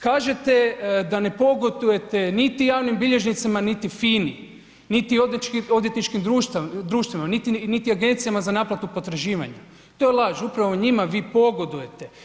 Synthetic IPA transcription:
kaːʒet̪e̞d̪ane̞po̞ɡod̪uje̞t̪e̞nit̪ijaːʋnimbiʎe̞ʒnit̪samanit̪ifiːni | nit̪iod̪t͡ʃkio̞d̪jet̪nit͡ʃkimd̪ɾuːʃt̪d̪ɾuːʃt̪ʋimanit̪init̪iaɡe̞nt̪sijamazanaːplˠat̪upo̞t̪ɾaʒiːʋa̰ɲa | t̪o̞jelˠaːʒupɾaʋoɲimaʋiːpo̞ɡo̞d̪uje̞t̪e̞

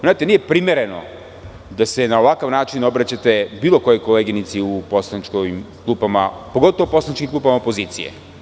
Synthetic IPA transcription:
znaːt̪enije̞pɾimeɾeno̰ | d̪ase̞naoʋakaʋnaːt͡ʃinobɾat͡ɕat̪e̞biːlˠo̞ko̞jo̞jko̞leɡinit̪siuposlˠanit͡ʃkoimklˠuːpama̰poɡo̞t̪oʋouposlanit͡ʃkimklˠuːpamaopo̞ziːt̪sḭjḛ

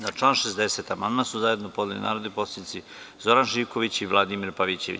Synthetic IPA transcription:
naʈ͡ʂlˠaːnʃesd̪eset̪amand̪masuzaje̞d̪nopo̞d̪lelḭna̰ːɾod̪eposʲed̪it̪si | zoɾanʒiʋkoʋit͡ɕiʋlˠad̪imiɾpaʋit͡ɕe̞ʋḭ

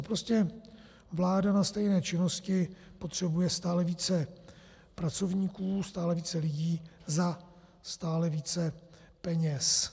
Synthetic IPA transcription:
pɾoscɛ | vlaːdanast̪ɛjnɛːt͡ʃɪno̞scɪpot̪r̝̥ɛbujɛst̪aːlɛviːt͡sɛ | pɾat͡so̞vɲiːkuːst̪aːlɛviːt͡sɛlɪɟiːza | st̪aːlɛviːt͡sɛ | pɛɲɛs

